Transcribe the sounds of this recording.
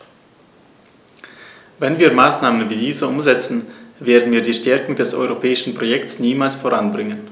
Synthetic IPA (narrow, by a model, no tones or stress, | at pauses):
vɛnviːɐmaːsnaːmənviːdiːzəʔʊmzɛt͡sn̩veːɐdn̩viːɐdiːʃtɛɐkʊŋdɛsʔɔ̰ʏʁopʰɛːɪʃn̩pʁ̥ojɛktsniːmaːlsfoːʁanbʁɪŋən